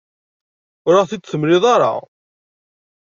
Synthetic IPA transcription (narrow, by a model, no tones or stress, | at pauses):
ʊɾaʁθit͡sːθəmɾɪðˤɑɾˤɑ̰